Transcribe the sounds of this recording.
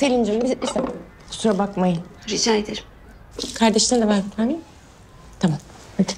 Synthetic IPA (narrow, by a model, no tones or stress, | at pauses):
selʲind͡ʒimbiisɛ̥ | suɾabakmajɯɾid͡ʒaːed̪eɾ | kʰaɾd̪eʃlʲˠaɾd̪avaɾt̪amin | t̪ʰamam | at̪